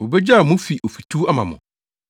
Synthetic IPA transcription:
o˨be˦d͡ʑa˦˨mʊ̃˦fi˨ʔo˨fi˨tʰu˦a˦mã˨mʊ̰̃˨

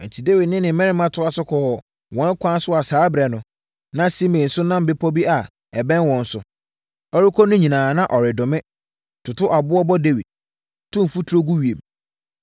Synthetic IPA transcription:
ɛ̃˨ɲ̩˨t͡ɕʰi˨de˦wi˨d̚nɪ̃˦nɪ̃˨mɛ̃˦ɾɪ̃˦mã˦tʰʊ˦a˦sʊ˦kʰɔ˨ | wɔ̃˦n˦kʷʰã˦n˦sʊ˦a˨saː˨˦bɾɛ˨nʊ̃˨ | nã˦si˦mɪ̃˨n̩˨sʊ˦nã˦m̩˨be˦pʰɔ˦bi˦a˨ | ɛ˨bɛ̃˦nwɔ̃˨n̩˦sʊ˨ | ɔ˦ɾi˦kʰɔ˦nʊ̃˦ɲĩ˨nãː˨nã˦ʔɔ˨ɾɪ˨dʊ̃˨mɪ̃˦ | tʰʊ˨tʰʊ˦ʔa˨bʊ˦ɔ˦bɔ˦de˦wi˨d̥̚ | tʰʊ̃˦m̩˨fu˦tʰu˦ɾo˦ɡu˦ɥi˨e˨m

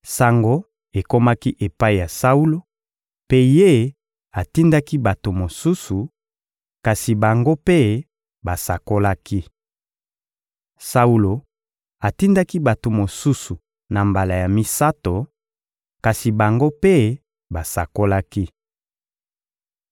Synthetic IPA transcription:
sa˨ŋɡo˦ | e˨ko˦ma˦ki˦ʔe˨pa˦i˨ja˨sa˦u˦lo˦ | pe˦je˦ | a˨ti˦nda˦ki˦ba˨to˨mo˨su˦su˨ | ka˨si˨ba˨ŋɡo˦pe˦ | ba˨sa˨ko˦la˦ki˦ | sa˦u˦lo˨ | a˨ti˦nda˦ki˦ba˨to˨mo˨su˦su˨ | na˨mba˨la˨ja˨mi˨sa˦to˨ | ka˨si˨ba˨ŋɡo˦pe˦ | ba˨sa˨ko˦la˦ki˦

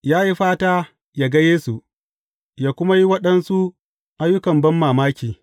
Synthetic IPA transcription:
jaː˦ji˦ɸaː˦taː˦ | jaː˨ɡɐ˦jeː˦su˨ʔ | jaː˦kʷʊ˦ma˦ji˦wɐ˦ɗɐ˦nsu˦ | ʔa˦jːʊ˦kɐ˨mbɐ˦mːaː˨maː˦kʲiː˨

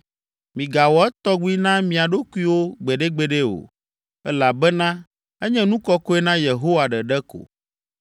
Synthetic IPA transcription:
mĩ˨ɡa˨wɔ˨ɛ˦t̪ɔ˦ɡu˦i˦nã˦mĩ˨a˨ɖo˦ku˦i˦wo˦ɡ͡bɛ˨ɖɛ˦ɡ͡bɛ˨ɖɛ˦o̰˨ | ɛ˦la˨bɛ˦nã˦ | ɛ˦ɲɛ̃˦nũ˦kɔ˦ko˦ɛ˦nã˦je˨ɦo˦wa˨ɖɛ˨ɖɛ˦ko̰˨

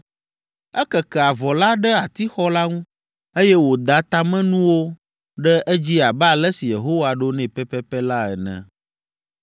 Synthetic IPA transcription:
ɛ˦kɛ˨kɛ˨a˨vɔ˨la˦ɖɛ˦a˨t̪i˦xɔ˦la˦ŋũ˦ | e˦jɛ˦wo˨d̪a˦t̪a˦mɛ̃˦nũ˦wo˦ | ɖɛ˦ʔɛ˦d͡ʑi˦a˨ba˨lɛ˦si˨je˨ɦo˦wa˨ɖo˦nɛ̃˨pɛ˦pɛ˦pɛ˦la˦ɛ̰˨nɛ̰̃˨

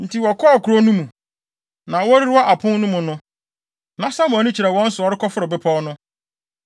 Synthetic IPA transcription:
n̩˨tʰi˨wɔ˨kʰɔ˦˨kʰu˨ɾo˦nũ˦mũ˨ | nã˨wɔ˦ɾi˦ɾa˦ʔa˨pʰʊ̃˦nnũ˦mʊ̃˨nʊ̃˦ | nã˨sa˦mʊ̃˨ɔ˨nũ˦t͡ɕʰi˨ɾɛ˨wɔ̃˦n̩˦sʊ˨ɔ˨˦ɾɪ˦kɔ˦fʊ˦ɾɪ˨bɪ˦pʰɔ˦nʊ̃˦

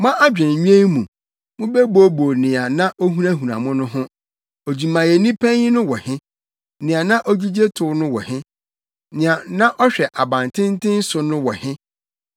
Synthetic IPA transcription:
mã˦ʔa˦d͡ʑᶣɛ̃˨n˨ɲĩ˦e˦mũ˨ | mʊ̃˦be˦bo˦bo˨nɪ̃˨a˨nã˦ʔo˦ɦũ˦ɾa˦ɦũ˨nã̰˨mʊ̃˦nʊ̃˦ɦʊ̃˦ | o˨d͡ʑi˨mã˨jɛ˨nĩ˦pʰɛ̃˦ɪ˦nʊ̃˦wɔ˨hɪ̃˦ | nɪ̃˨a˨nã˦ʔo˦d͡ʑi˦d͡ʑe˦tʰʊ˨˦nʊ̃˦wɔ̰˨hɪ̃˦ | nɪ̃˨ã˨nã˦ʔɔ˦ɕᶣɛ˨ʔa˨bã˨n˨tʰɪ̃˦n̩˦tʰɪ̃˦n̩˦sʊ˨nʊ̃˦wɔ˨hɪ̃˦

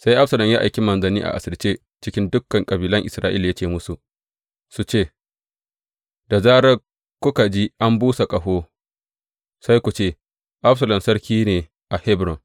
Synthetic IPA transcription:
sa˦jʔa˦ɸsɐ˨lɐ˨mjaː˦ʔa̰˨jkʲi˦mɐ˨nzɐ˨niː˦ʔa̰˨ʔa˨sɐ˨lt͡ʃeː˦ | t͡ʃɪ˦kʲɪ˦ndʊ˦kːɐ˨ŋkʼɐ˨biː˨lɐ˦ŋʔɪ˨sɾaː˦ʔɪ̰˦lja˦t͡ʃeː˨mʊ˦su˨ | su˨t͡ʃeː˦˨ | d̥a˨zaː˦ɽɐ˦ | kʷʊ˦ka˨d͡ʒi˦ʔa˦mbuː˦sa˨kʼɐ˨ɦoː˦ | sa˦jkʷu˨t͡ʃeː˦˨ | ʔa˦ɸsɐ˨lɐ˨msɐ˦ɽkʲiː˦neː˨ | ʔa˨hɛ˦bɾɔ˨ŋ

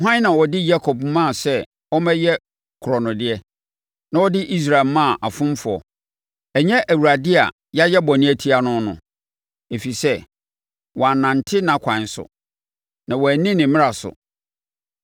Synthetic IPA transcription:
ɦã˦n˦nã˨wɔ˨dɪ˦ja˦kʰɔ˨bmã˦˨sɛ˦ | ɔ˦mɛ̃˦jɛ˦ | kʰʊ˨ɾɔ˨nʊ̃˨dɪ˦ɛ˦ | nã˨wɔ˦dɪ˦ʔi˦s̬ɾa˨lmã˦˨ʔa˨fʊ̃˦m˦fʊ˨ɔ̰˨ | æ˨ɲɛ̃˦ʔæ˨wu˨ɾa˨dɪ˦a̰˨ | ja˦jɛ˦bɔ˨nɪ̃˦æ˦˨tʰi˦a˨nʊ̃˦nʊ̰̃˨ | e˨fi˨sɛ˦ | wɔ˨a˨nã˨n˨tʰɪ˦nã˨kʷʰã˨nsʊ̰˨ | nã˨wɔ˨æ˨nĩ˦nɪ̃˨mɪ̃˦ɾa˨sʊ̰˨

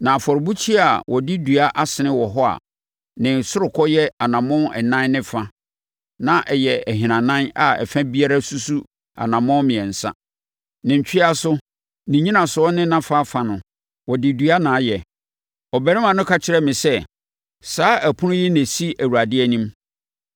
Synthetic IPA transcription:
nã˨fɔ˨ɾbu˦t͡ɕʰi˦a˨wʔɔ˨dɪ˦dɥa˦ʔa˦sɪ˨nɪ̃˦wɔ˨ɦɔ˦a̰˨ | nɪ̃˨sʊ˦ɾʊ˨kʰɔ˦jɛ˦a˨nã˨mʊ̃˦ɛ̰˨nã˦nnɪ̃˦fa˦ | nã˨ʔɛ˨jɛ˨ɛ˨ɦɪ̃˨nã˨nã˦na˨ɛ̰˨fæ̃˦bi˦a˦ɾa˦su˦su˦ | a̰˨nã˨mʊ̃˦mɪ̃˨ɛ̃˨n̩˨sã̰˦ | nɪ̃˨ɲ̩˨t͡ɕᶣi˦a˦sʊ˦ | nĩ˨ɲĩ˦nã˨sʊ˨ɔ˦nɪ̃˦nã˦fa˦fa˨nʊ̃˨ | wɔ˨dɪ˨dɥa˦nãː˨˦jɛ˨ | ɔ˨bɛ˨˦ɾɪ̃˦mã˨nʊ̃˦kʰa˦t͡ɕʰɪ˨ɾɛ˦mɪ̃˨sɛ˦ | saː˦ʔæ˨pʰʊ̃˦nʊ̃˦ji˦næ̃˨si˦æ˨wu˨ɾa˨dɪ˦ɛ˦nĩ˦m

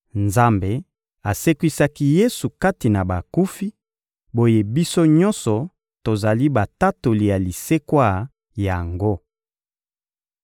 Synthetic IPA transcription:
nza˦mbe˨ | a˨se˦kwi˦sa˦ki˦je˦su˨ka˦ti˨na˨ba˨ku˦fi˦ | bo˦je˦bi˦so˦ɲɔ˦nsɔ˨ | to˨za˨li˦ba˨ta˦to˨li˨ja˨li˨se˦kwa˦˨ | ja˨ŋɡo˦

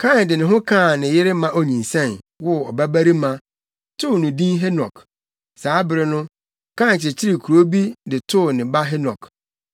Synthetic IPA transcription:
kʰã˦˨ndɪ˨nɪ̃˨ɦʊ̃˦kʰãː˦˨nɪ̃˨jɪ˦ɾɪ˦mã˦ʔo˨ɲĩ˨n˨sɛ̃˦˨n | wɔ˦ɔ˨bæ˦bæ˦ɾi˦mã˨ | tʰʊ˦˨nʊ̃˨dĩ˦nɦɛ˦nɔ̰̃˨k | saː˨˦bɪ˨ɾɪ˨nʊ̃˦ | kʰã˦˨n˨t͡ɕʰɪ˨t͡ɕʰɪ˦ɾɪ˨kʰu˨ɾo˦bi˦dɪ˨tʰʊ˦˨nɪ̃˨ba˦ɦe˦nɔ̰̃˨k

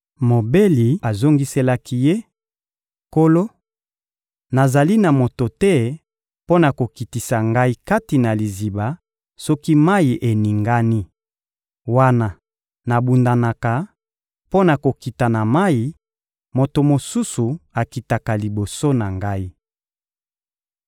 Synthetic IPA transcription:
mo˨be˦li˨a˨zo˦ŋɡi˦se˦la˦ki˦je˦ | ko˦lo˦ | na˨za˨li˦na˨mo˨to˨tɛ˦ | po˦na˨ko˨ki˨ti˨sa˨ŋɡa˦i˦ka˦ti˨na˨li˨zi˨ba˨ | so˦ki˦ma˦ji˨ʔe˨ni˨ŋɡa˦ni˦ | wa˦na˦ | na˨bu˨nda˨na˨ka˨ | po˦na˨ko˨ki˨ta˨na˨ma˦i˨ | mo˨to˨mo˨su˦su˨a˨ki˨ta˨ka˨li˨bo˨so˦na˨ŋɡa˦i˦

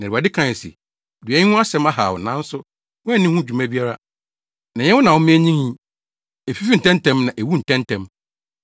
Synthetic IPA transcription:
nã˨a˨dɪ˦kʰã˦˨sḭ˨ | dɥɛ̃˨˦hũ˦a˦sɛ̃˦ma˦ɦa̰˨wɔ̰˨nã˦n̩˦sʊ˦ | wʊ̃˦æ˦˨nɪ̃˦hũ˦d͡ʑᶣu˨mæ̃˦bi˦a˦ɾa˦ | nã˨ɲɛ˦wʊ˦nã˨wʊ̃˦mɪ̃˦æ˦ɲĩ˦ŋĩ˦ | ɛ˨fi˦fi˦n̩˨tɛ̃˦ntʰɛ̃˦mnã˨ʔe˨wu˦n̩˨tʰɛ̃˦ntʰɛ̃˦m

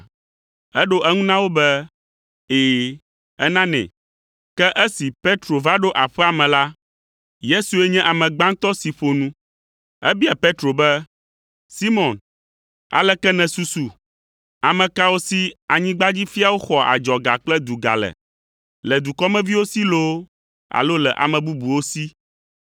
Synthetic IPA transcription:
ɛ˦ɖo˦ʔɛ˦ŋũ˦nã˦wo˦bɛ˦ | eː˨ | ɛ˦nã˦nɛ̰̃˨ | kɛ˦ʔɛ˦si˨pe˦t̪ɾo˨va˦ɖo˦ʔa˨ɸɛ˦a˨mɛ̃˨la˦ | je˦su˨ɛ˦ɲɛ̃˦ʔa˨mɛ̃˨ɡ͡bã˦ŋt̪ɔ˦si˨ɸo˨nũ˦ | ɛ˦bi˦a˨pe˦t̪ɾo˨bɛ˦ | si˦mɔ̃˨n | a̰˨lɛ˦kɛ˦nɛ̃˨su˦su˨ | a˨mɛ̃˨ka˦wo˦si˦a˨ɲĩ˦ɡ͡ba˦d͡ʑi˦fi˦a˦wo˦xɔ˨a̰˨d͡ʒɔ˨ɡa̰˨k͡plɛ˦d̪u˨ɡa̰˨lɛ̰˨ | lɛ˨d̪u˨kɔ˦mɛ̃˦vi˦wo˦si˦lo˦ | a̰˨lo˦lɛ˨ʔa̰˨mɛ̃˨bu˦bu˨wo˦si˦

